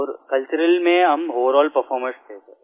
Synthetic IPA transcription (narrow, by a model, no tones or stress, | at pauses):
ɔːɾkɐlt͡ʃʊɾəlmẽɦɐmɦoːəɾɔːlpɐɾfʰɔːɾmə̃sk̪ʰeːt̪e